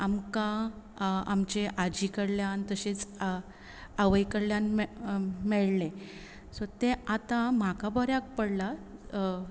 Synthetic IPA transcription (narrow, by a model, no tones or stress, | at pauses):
amkã | amt͡ɕeʔad͡ʑikəɽljãnt̪əɕet͡s | aʋəjkəɽljan | mɛɭle | sot̪ẽat̪ãm̤akabəɾjak̚pəɽla